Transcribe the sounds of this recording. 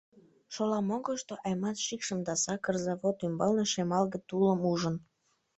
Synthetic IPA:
ʃolɑmoɣəʃt̪oʔɑjmɑt̪ʃikʃəmd̪ɑsɑkərzɑβot̪ymbɑlneʃemɑlɣət̪uləmuʒən

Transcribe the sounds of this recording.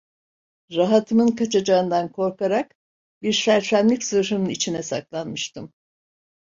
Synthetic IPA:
ɾaɦat̪ʰɯmɯnkʰat͡ʃʰad͡ʒaɯnd̪ankʰo̞ɾkaɾak | biɾsæɾfæmlʲicʲsɯʃɯnɯnit͡ʃʰinɛsa̰klˠanmɯʃt̪ʰɯm

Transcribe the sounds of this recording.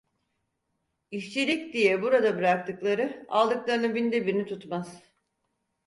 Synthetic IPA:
iʃt͡ʃilʲicd̪ijɛbuɾad̪abɯɾak̚t̪ʰɯklˠaɾɯa̰lˠd̪ɯklˠaɾɯnɯbind̪ebiɾinit̪ʰut̪maz̥

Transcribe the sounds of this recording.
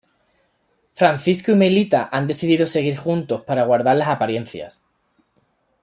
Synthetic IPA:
fɾan̟θiskuimelit̪aʔand̪e̞θiðiðose̞ɣ̞iɾxunt̪o̞spaɾaɣ̞waɾð̞aɾlasapaɾje̞n̟θja̰s

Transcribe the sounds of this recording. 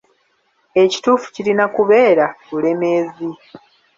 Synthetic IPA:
e̞ci̥tuːfu̥cilinakuβe̞ːɾaβule̞meːzi

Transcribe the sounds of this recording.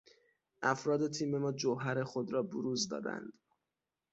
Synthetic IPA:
ʔæfɾɒːd̪e̞t̪ʰiːme̞mɒːd͡ʒoɦæɾe̞xod̪ɾɒːboɾuːzd̪ɒ̰ːd̪æ̰nd̪̥

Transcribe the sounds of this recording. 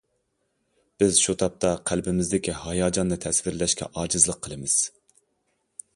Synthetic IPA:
b̥ɪzʃut̪ʰɑp̚t̪ʰɑqʰælbɪmɪzd̪ɪkʲihɑjɑːd͡ʒɑnːɨt̪ʰɛsvɪɾlɛʃkʲɛ̰ʔɑːd͡ʒɨzlˠəqʰːəlˠɨmɨz̥

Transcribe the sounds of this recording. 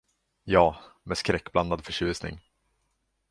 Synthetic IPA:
jɑːmɛskɾɛkːbland̪ad̪fœʂʉ̟ːsnɪ̰ŋ

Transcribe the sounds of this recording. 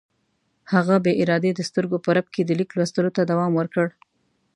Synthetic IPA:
haɣabeʔɪɾɑd̪ed̪əst̪əɾɡopəɾab̚ked̪əliklwast̪əlot̪ad̪awɑmwəɾkəɽ

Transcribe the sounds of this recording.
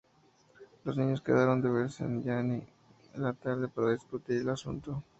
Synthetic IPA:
lo̞zniɲo̞ske̞̰ð̞aɾo̞nd̪eβeɾsḛnʝani | lat̪aɾðe̞paɾaðisput̪iɾelasṵnt̪o

